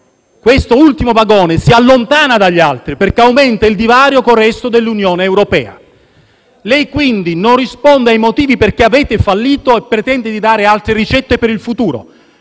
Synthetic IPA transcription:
kwest̪oult̪imovaɡɔːnesialːont̪aːnad̪aʎːalt̪ɾiperkeawmɛnt̪aild̪ivaːɾjokorɛst̪od̪elːunjoːneːwɾopɛːa̰ | lɛjkwind̪inonrispɔnd̪eajmot̪iːviperkeavɛːt̪efalːiːt̪oepːɾet̪ɛnd̪ed̪id̪aːɾealt̪ɾerit͡ʃɛt̪ːepeɾilfut̪uːɾo̰

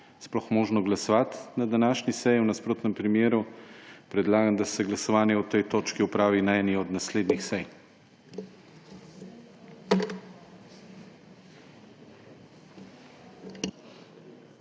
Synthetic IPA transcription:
splɔxmɔːʒnɔɡlasɔʋat̪nad̪anaːʃnisɛjiwnaspɾoːt̪nɛmpɾimjeːɾupɾɛd̪laːɡamd̪asɛɡlasɔʋaːnjɛɔt̪ɛjt̪oːt͡ʃkiɔpɾaːʋinaɛniɔd̪nasleːd̪nixsɛj

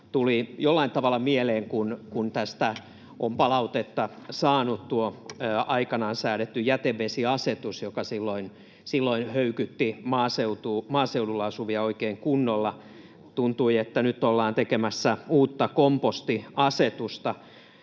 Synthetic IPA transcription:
t̪ulijolːɑint̪ɑʋɑlːˑɑmieleːŋkunkunt̪æst̪æ | ʔompɑlɑut̪et̪ːɑsɑːnut̪t̪uoɑikɑnɑnsæːɾet̪ːyjæt̪eʋʋesiɑset̪usjokɑsilːoin | silːoinhøykyt̪ːimɑːseut̪uːmɑːseudulːɑɑsuʋiɑoikeːŋkunːolːɑ | t̪unt̪uiet̪ːænyt̪ːolːɑːnt̪ekemæsːæuːt̪ːɑkompost̪iɑset̪ust̪ɑ

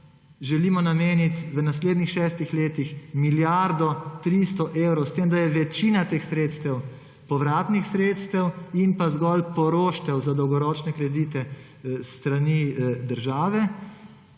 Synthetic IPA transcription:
ʒɛliːmɔnameːnit̪ʋənasleːd̪nixʃɛːst̪ixleːt̪ixmiljaɾd̪ɔt̪ɾist̪ɔʔewɾɔwst̪eːmd̪ajɛʋɛt͡ʃiːnat̪eːxsɾeːt̪st̪ɛw | pɔʋɾaːt̪nixsɾeːt̪st̪ɛwinpazɡɔlpɔɾoːʃt̪ɛwzad̪ɔwɡɔɾɔːt͡ʃnɛkɾɛd̪iːt̪ɛ | st̪ɾanid̪əɾʒaːʋɛ

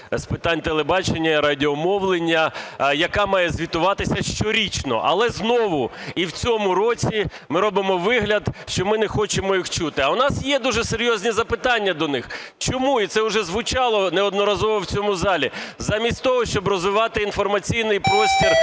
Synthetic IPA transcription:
spɪt̪anʲt̪elˠebɑt͡ʃenʲːɐiɾɐdʲɪɔmɔwlˠenʲːɐjɐkɑmɑjɛzʲʋʲit̪ʊʋɑt̪ɪsʲɐʃt͡ʃɔɾʲit͡ʃnɔ̰ʔɐ̰lˠɛznɔʋʊiwt͡sʲɔmʊɾɔt͡sʲi | mɪɾɔbɪmɔʋɪɦlʲɐd̪ʃt͡ʃɔmɪnɛxɔt͡ʃɪmɔixt͡ʃut̪ɪɐʊnɑsjɛd̪uʒɛseɾʲjɔzʲnʲizɐpɪt̪anʲːɐd̪ɔnɪxt͡ʃɔmuit̪sɛʊʒɛzʋʊt͡ʃɑlˠɔnɛɔd̪nɔɾɐzɔʋɔwt͡sʲɔmʊzɑlʲizamʲisʲtʲt̪ɔɦɔʃt͡ʃɔbrɔzʋɪʋɑt̪ɪinfɔrmɐt͡sʲijnɪjpɾɔsʲtʲir

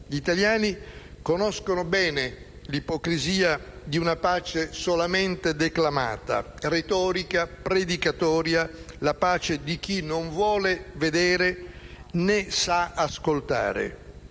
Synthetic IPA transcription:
ʎiːt̪aljaːni | konɔskonʊbɛːne | lipɔkɾiziːa | d̪iunapaːt͡ʃesolament̪ed̪eklama̰ːt̪a̰ | ret̪ɔːɾikapɾed̪ikat̪ɔːɾjalapaːt͡ʃed̪ik̟inoɱvwɔːleved̪ɛːɾe | nesaaskolt̪a̰ːɾḛ

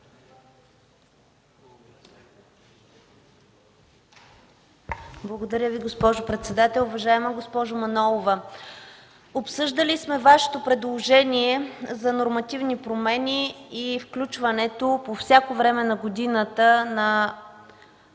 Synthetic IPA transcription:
blˠəɡod̪ɐɾʲəviɡospɔʒʊpɾɛt̪sɛd̪at̪ɛlˠʊvɐʒaɛməɡospɔʒʊmɐnɔlˠovə | opsɤʒd̪əlismɛvaʃɛ̥t̪opɾɛd̪lˠoʒɛniɛzɐnoɾmɐt̪ivnipɾomɛniːfklʲut͡ʃvɐnɛt̪opofsʲjakovɾɛmɛnɐɡod̪inət̪ənɐ

